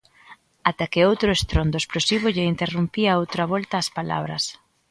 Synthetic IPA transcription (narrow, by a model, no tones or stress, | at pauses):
at̪akɪowt̪ɾʊest̪ɾond̪ʊesplosiβ̞ʊʎeint̪erumpiaowt̪ɾɐβɔlt̪ɐːspala̰βɾɐs